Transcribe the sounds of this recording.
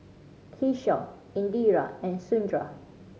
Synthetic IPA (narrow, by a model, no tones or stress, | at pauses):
kʰiʃɔ̰p | ĩndiɹa̰ɛ̃nsũndɹa̰